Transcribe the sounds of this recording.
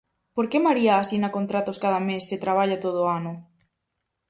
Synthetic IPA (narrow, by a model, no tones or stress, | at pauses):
poɾkemaɾiaːsinakont̪ɾat̪oskaðamesːet̪ɾaβ̞aʎat̪oð̞ʊanʊ